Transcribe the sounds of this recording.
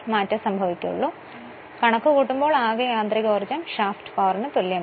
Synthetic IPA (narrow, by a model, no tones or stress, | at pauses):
maːtːɐsɐmbʱɐʋikʲːṵɭːu | kɐɳɐkːukuːʈːumbo̞ːɭaːɣɐjaːnd̪rɐɣoːrd͡ʑɐmʂaːfʈpaːɐrɐnɨt̪oljɐ